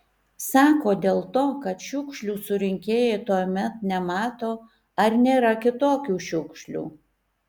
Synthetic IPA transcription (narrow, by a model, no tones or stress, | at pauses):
sɑːkoːd̪ʲeːlˠt̪oːkɐt̪ʃʲʊkʃʲlʲuːsʊɾʲɪŋʲkʲeːjɛɪt̪uɔmʲɛt̪nʲɛmɑːt̪oː | ɐɾnʲeːɾɐkʲɪt̪oːkʲuːʃʲʊkʃʲlʲṵː